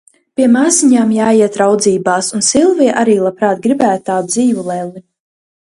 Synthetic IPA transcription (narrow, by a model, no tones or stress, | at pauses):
pʲiɛmaːziɲaːmjaːjiɛt̪ɾawd̪ziːbaːsunsilˠviɛʔaɾiːlˠapɾaːt̪̚ɡɾibæːt̪ːaːd̪ziːvulˠɛlˠi